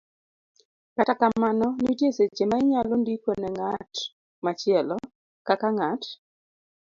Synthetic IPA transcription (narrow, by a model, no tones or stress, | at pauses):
katakamanɔnitjeset͡ʃemaɪɲalondikonɛŋat | mat͡ʃɪɛlɔ | kakaŋat